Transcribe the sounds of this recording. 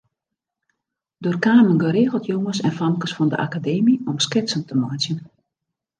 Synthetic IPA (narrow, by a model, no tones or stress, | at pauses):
doːrkaːmənɡøɾeːɣəlˠtʰjoŋəsɛ̰nfamkəsfɔndə̰ʔa̰kadeːmiɔmskɪsəntəmɔjt͡sjən